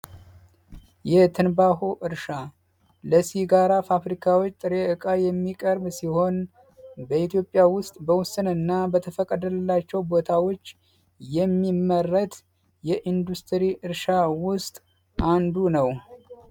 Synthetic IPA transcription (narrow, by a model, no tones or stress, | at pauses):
jɛt̪ʰɨnbaɦoʔɨɾʃa | ləsiɡaɾafafɾikʰawot͡ʃːt̪ʼɨɾeɨkʼajɛmːikʼəɾbsiho̞n | bəit̪jo̞pʼːjawʊst̪ʼbəwʊsɨnəɨnːabət̪ʰəfəkʼəd̪ələlːat͡ʃːɛwbo̞t̪ʰawo̞t͡ʃː | jɛmːimːərːət̪ | jɛʔind̪ust̪ʰəɾiʔɨɾʃawʊst̪ʼ | ʔand̪unəw